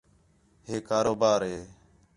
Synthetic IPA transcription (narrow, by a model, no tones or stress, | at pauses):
ɦeːkaːɾoːbaːɾɦeː